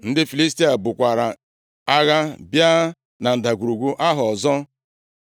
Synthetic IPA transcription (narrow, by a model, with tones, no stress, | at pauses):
n̩˦dɪ˦fi˨li˦s̬ti˦a˨bʊ˨kʷa˨ɾa˨ | a˦ɣa˦bja˦ | na˨n̩˨da˨ɡʷu˨ɾu˨ɡʷu˦ʔa˦ɦʊ˨ɔ˨zɔ˦